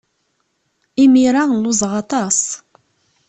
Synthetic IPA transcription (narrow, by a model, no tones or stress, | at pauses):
imiɾaŋluzʁɑt̪as